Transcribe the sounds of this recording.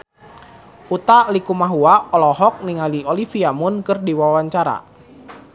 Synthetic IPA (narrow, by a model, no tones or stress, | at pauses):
ut̪alikumaɦuaɔlɔɦɔk̚niŋaliolifiamʊnkɨrdiwawaɲt͡ʃaɾa̰